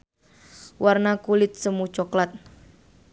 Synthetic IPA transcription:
wʔarnakulɪt̪̚səmut͡ʃɔklat̪̚

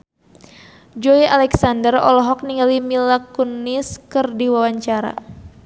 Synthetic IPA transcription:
d͡ʒɔiʔalɛksandərɔ̰lɔɦɔk̚niŋɡalimilakuniskɨrdiwawaɲt͡ʃaɾa̰

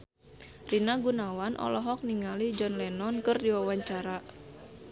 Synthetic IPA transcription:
rinaɡunawanʔɔ̰lɔɦɔk̚niŋalid͡ʒɔnlɛnɔnkɨrdiwawaɲt͡ʃaɾa

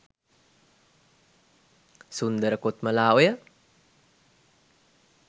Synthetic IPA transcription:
sund̪əɾəkot̪məlaːojə

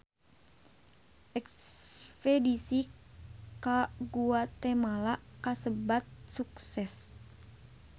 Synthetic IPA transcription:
ʔɛksspedisi | kaɡuat̪ɛmalakasəbat̪̚suksɛs

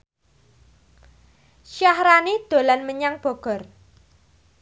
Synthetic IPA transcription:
ʃahɾanid̪̥o̤lanməɲaŋb̥ɔ̤ɡ̥ɔ̤r

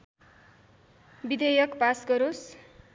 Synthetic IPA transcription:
bid̪ʱejʌkpasɡʌɾos

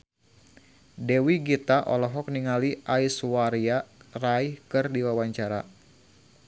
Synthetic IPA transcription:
dɛwiɡit̪aʔɔ̰lɔɦɔk̚niŋaliʔaiswaɾiaraihkɨrdiwawaɲt͡ʃaɾa̰

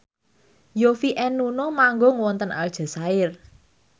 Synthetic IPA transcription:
jofiʔɛnːunɔmaŋɡɔŋwɔnt̪ənʔa̰ld̥ʒ̥a̤saɪr

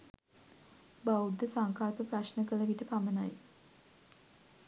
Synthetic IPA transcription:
baud̪ːəsaŋkalpəpraɕnəkələʋiʈəpamənaj

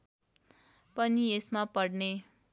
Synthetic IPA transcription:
pʌniesmapʌɽne

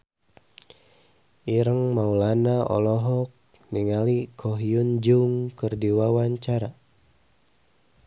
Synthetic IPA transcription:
iɾəŋmaulanaɔ̰lɔɦɔk̚ | niŋalikʰɔɦiund͡ʒuŋkɨrdiwawaɲt͡ʃaɾa

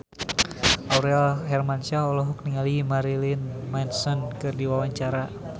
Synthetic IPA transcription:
ʔauɾalɦɛrmant͡ʃaɔlɔɦuk̚niŋalimaɾilinmansɔnkɨrdiwawaɲt͡ʃaɾa

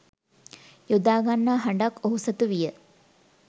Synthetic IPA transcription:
jud̪aːɡanːaːɦaɳɖakoɦusət̪uʋijə

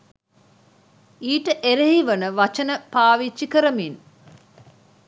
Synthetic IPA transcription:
iːʈəʔeɾeɦiʋənəʋat͡ʃənəpaːʋit͡ʃːikəɾəmin

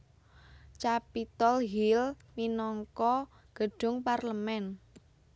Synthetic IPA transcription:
t͡ʃapit̪ɔlɦil | minɔŋkɔ | ɡ̥ə̤ɖ̥ʊ̤ŋparləmɛn

